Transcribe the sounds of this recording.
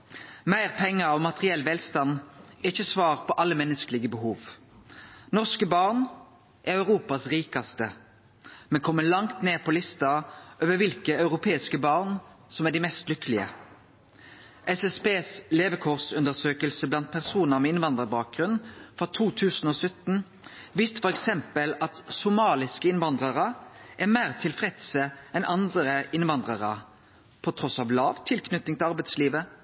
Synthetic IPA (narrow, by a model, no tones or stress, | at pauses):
mæɪʁpʰɛŋːəɔmɑt̪ʁɪɛlːʋɛlst̪ɑnɛɪçːəsʋɑːʁpʰɔʔɑlːəmɛnːəskəlɪɡəbəɦuːʋ | nɔʁskəbɑʁɳ | ʔæʁœʉʁuːpɑsʁiːkɑst̪ə | mɛnkʰɔmːəlɑŋt̪neːʁpʰɔlɪst̪ɑʔøːʋəʋɪlkəɑʉʁʊpʰeːɪskəbɑːʁn | sɔmæɖ̪ɪmɛst̪lʏkəlɪə̰ | ʔɛsɛspeːsleːʋəkʰʊʁsʉnd̪əʁsøːkəlsəblɑnt̪̚pʰæʁsuːnəʁmɛɪnʋɑnd̪ʁəbɑːk̚ɡ̥ʁʉnnfɔt̪ʰuːt̪ʰʉːsn̩oːsœt̪n̩ | ʋiːst̪fɔʁɛksɛmpəlɑt̪sʊmɑːlɪskəɪnʋɑnd̪ʁəʁəʔæʁmæɪʁt̪ʰɪlfʁɛd̪səɛnʔɑnd̪ɾəɪnʋɑnd̪ʁɑʁə | pʰɔt̪ʰʁɔsɑːʋlɑːʋt̪ʰɪlkʰnʏt̪ːɪŋt̪ʰɪlɑʁbæɪt̪sliːʋə